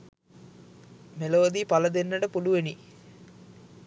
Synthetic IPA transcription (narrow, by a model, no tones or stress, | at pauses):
meloʋəd̪ipaləd̪enːəʈəpuluʋeni